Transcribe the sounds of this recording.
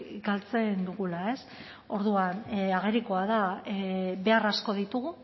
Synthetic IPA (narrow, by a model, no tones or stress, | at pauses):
ɡalt͡se̞nd̪uɣulae̞s | o̞ɾðuanaɣe̞ɾiko̞aðaebe̞arasko̞ð̞it̪uɣu